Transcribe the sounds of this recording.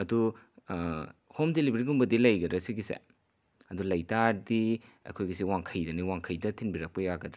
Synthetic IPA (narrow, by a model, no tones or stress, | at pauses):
ɐdu | homdelibeɾiɡumbɐdilɐjɡɐdɾɐsiɡisḛ | ɐdulɐjtaɾdiɐ̰kʰojɡisiwaŋkʰɐjdɐniwaŋkʰɐjdɐtʰinbiɾɐk̚pɐjaɡɐdɾɐ